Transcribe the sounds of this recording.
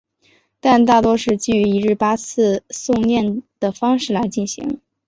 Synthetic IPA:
t̪a˥˧nt̪a˥˩t̪wɔ˥ʂɻ̩˥˧t͡ɕy˥˩y˧˥i˧˥ɻɻ̩˥˩pa˥t͡sʰɹ̩˥˧sʊ˥˧ŋnjɛ˥˩nd̪̥ə˩fɑ˥ŋʂɻ̩˥˩la˧˥ɪt͡ɕi˥˩nɕḭ˧˥ŋ

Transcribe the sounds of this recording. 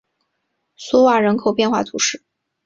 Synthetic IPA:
swɔ˥wa˥˩ɻə˧˥nkʰo˨˩ʊpjɛ˥˧nxwa˥˩t̪ʰu˧˥ʂɻ̩˥˩

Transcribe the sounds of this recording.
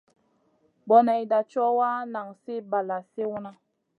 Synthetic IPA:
bɔ˨na˨i˨da˨t͡ʃɔ˦wa˦na˨ŋse˦ba˨la˨se˦wu˦na˦

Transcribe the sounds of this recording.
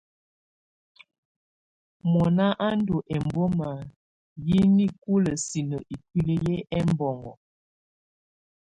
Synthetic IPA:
mɔ˨na˦ʔa˦ndo˨ʔɛ˨mbo˦ma˨ | ji˦ni˦ku˦lə˨si˨nə˨ʔi˨kwi˦lə˦je˦ɛ˦m˦bɔ˨ŋɡɔ̰˨

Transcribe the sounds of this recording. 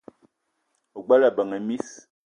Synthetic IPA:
o˨ɡ͡ba˦la˨bə˨ŋə˨mi˦s

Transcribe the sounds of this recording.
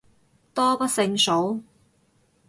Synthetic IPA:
t̪ɔː˥pɐ˥t̚sɪ˧ŋso˨˥w

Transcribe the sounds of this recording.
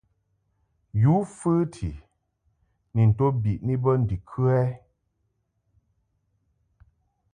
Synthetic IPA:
ju˨˦fɨː˦tʰḭ˨ | ni˨n̩˨to˦bi˨ʔni˦bə˦n̩˨di˨kʰʉ˦ɛ˦

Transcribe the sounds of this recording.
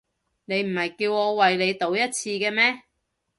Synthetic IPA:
ne˨˧jm̩˨˩hɐ˨jkiː˧wŋɔː˨˧wɐ˨jle˨˧jt̪o˨˥wjɐ˥t̚t͡sʰiː˧kɛː˧mɛː˥

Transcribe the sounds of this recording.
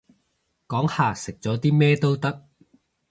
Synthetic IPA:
kɔː˨˥ŋhaː˨sɪ˨k̚t͡sɔː˨˥t̪iː˥mɛː˥t̪o˥wt̪ɐ˥k̚

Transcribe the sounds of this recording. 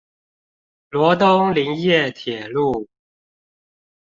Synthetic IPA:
lwɔ˧˥t̪ʊ˥ŋli˧˥ŋjɛ˥˨t̪ʰjɛ˨˩lu˥˩

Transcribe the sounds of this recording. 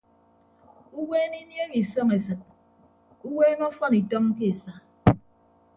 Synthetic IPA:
u˦weː˦ni˦nje˦ɣi˨sɔ˦ŋe˨sɨ˨t̚ | u˦weː˦nɔ˦fɔ˦ni˨tɔ˦ŋ̩˦ke˦e˨sa˦

